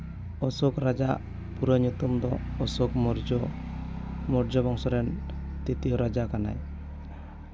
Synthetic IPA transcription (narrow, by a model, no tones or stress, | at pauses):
ɔsɔkɾad͡ʒaʔ | puɾəɲut̪umd̪ɔːsɔkɔɾd͡ʒ | mɔɾd͡ʒɔbɔŋsɔɾɛnt̪it̪ijɔɾad͡ʒakana̰j